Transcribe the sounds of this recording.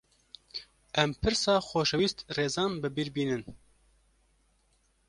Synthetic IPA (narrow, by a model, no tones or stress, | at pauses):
ʔɛmpʰɨɾsɑːxoːʃɛwiːst̪reːzɑːnbɨbiːɾbiːnɨn